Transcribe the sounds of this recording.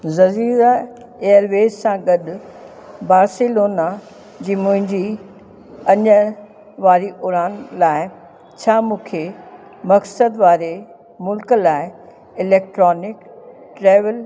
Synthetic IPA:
zɐziːɾa | ejəɾʋeːd͡ʑsãɡɐɗʊ | baːɾsɪloːna | d͡ʑiːmʊ̃ɦɪ̃ɲd͡ʑi | ɐɲə | ʋaːɾiʔʊɾaːnlaːɪ | t͡ɕʰaːmũːkʰe | mɐksəd̪ʋaːɾe | mʊlklaːɪ | ɪleːk̚ʈɾɔːnɪk | ʈɾeːʋəl

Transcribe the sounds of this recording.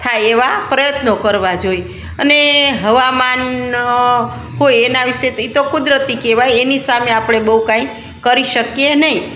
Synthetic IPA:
t̪ʰajeʋapɾəjət̪nokəɾʋad͡ʒoj | əneɦəʋaman | ɦojenaʋiʃet̪it̪okud̪ɾət̪ikeʋajenisameapɽ̃ebəɦũkãĩ | kəɾiʃəkjenəɦĩ

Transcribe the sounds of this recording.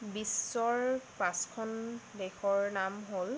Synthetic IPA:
bisːɔɹpãskʰɔndɛxɔɹnamɦol

